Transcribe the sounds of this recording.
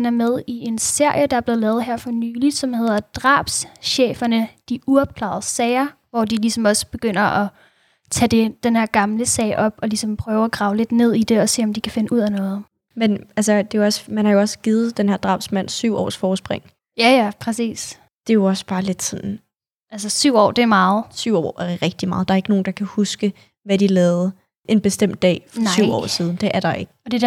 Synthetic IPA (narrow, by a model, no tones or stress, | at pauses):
næɐmeð̞ˠie̝nse̝ɐ̰jəd̥ɑ̈æɐb̥le̝ð̩ˠlɛːð̩ˠɦeɐ̰fɒ̽nyːli̥sɒ̽mhe̝ð̞ˠɐd̥ʁɑ̰̈ːb̥sɕḛːfɐnəd̥iʔuɒb̥̚kʰlɑ̰̈ðˠsɛɪɐʋɒd̥ilisɒ̽mɒ̽sb̥e̝ɡ̥øn̰ɐʔɒ̽ | t͡sʰɛd̥e̝d̥enheɐ̰ɡ̥ɑ̈mləsɛ̰ɪʔɒ̽b̥ɒ̽lisɒ̽mpʰʁœːʊæɡ̥ʁɑ̈ːʊle̝d̥ne̝ð̰ˠid̥e̝ɒ̽se̝̰ːɒ̽md̥ikʰæfe̝nəuð̰ˠænɔ̽ːð̞̩ˠ | menælsəd̥e̝joɒ̽smænhɑ̈jo̝ɒ̽sɡ̥iːð̩ˠd̥enhæɐd̥ʁɑ̈ːbsmæn̰syʊ̰ʔɒ̰ːsfɒːsb̥ʁeŋ̰ | jæjæpʰʁɛsḭːs | d̥e̝joɒ̽sb̥ɑ̈ːle̝d̥sɒ̽nn̩ | ʔæls̬əsyʊɒ̰ːd̥e̝æɐmɑ̈ːð̩ˠsyʊ̰ɒ̰æʁɛɡ̥̚d̥imɑ̈ːð̩ˠd̥ɑ̈ɐe̝ɡ̥əno̝ːn̩d̥ɑ̈kʰæhusɡ̥ə | ʋæd̥ilɛːʊð̩ˠ | ʔe̝nb̥e̝sd̥em̰d̥ːɛ̰ːfɒsyʊ̰ɒ̰ːsiːð̞ˠn̩d̥e̝ʔæɐɾ̥ɑ̈e̝ɡ̥̚ɒ̽d̥e̥